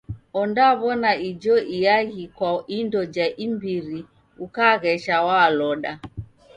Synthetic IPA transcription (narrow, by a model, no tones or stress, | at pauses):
ɔndaβɔnaid͡ʒɔʔijaɣikwaindɔd͡ʒaʔimbiɾi | ukaɣɛʃawalɔɗa